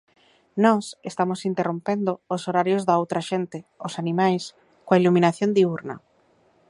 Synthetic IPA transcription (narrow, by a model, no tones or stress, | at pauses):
nɔsest̪amosint̪erompend̪oːsoɾaɾjozðaowt̪ɾaʃent̪ɪosanimajs | koailuminaθjond̪iuɾnɐ̰